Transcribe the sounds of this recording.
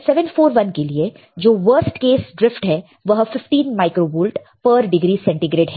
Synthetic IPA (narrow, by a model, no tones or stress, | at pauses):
sɛʋə̃nfoːɾʋɐnkelie | d͡ʒoːʋəɾsʈkeːsɖɾɪfʈɦɛː | ʋɐɦfɪfʈiːnmaːɪkɾoːʋuːlʈ | pəɾɖɪɡɾiːsɛ̃ɳʈiɡɾeːɖɦɛː